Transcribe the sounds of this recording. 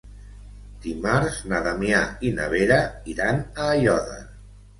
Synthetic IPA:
d̪̥imaɾznaðamjaina̰βeɾaiɾanaːjɔða̰

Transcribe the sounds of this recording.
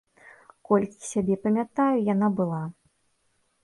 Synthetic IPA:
kɔlʲkʲi̥sʲabʲɛpɐmʲat̪ajujanabɨlˠa

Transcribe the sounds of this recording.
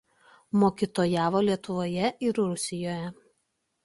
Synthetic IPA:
moːkʲit̪oːjæːʋoːlʲiɛt̪ʊʋoːjɛʔɪɾɾʊsʲɪjoːjɛ

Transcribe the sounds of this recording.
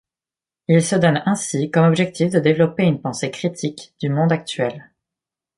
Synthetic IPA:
ilsəd̪ɔnɛ̃sikɔmɔbʒɛk̚t̪ʰifd̪əd̪evlɔpeynpɑ̃sekχit̪ʰikd̪ymɔ̃d̪ak̚t̪ɥɛl

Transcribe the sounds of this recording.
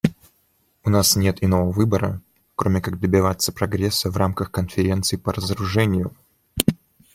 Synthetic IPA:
ʊnasnʲe̞t̪ɪno̞vəvɨbəɾə̰ | kɾʔomʲɪkaɡ̚d̪əbʲɪvat̪sə̥pɾɐɡɾʲesːəvramkəxkənfʲɪɾʲe̞nt̪sɨɪpəɾəzəɾʊʐɛnʲɪjʊ

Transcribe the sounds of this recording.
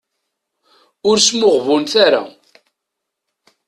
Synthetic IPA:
ʊɾsmʊʁvunθaɾa̰

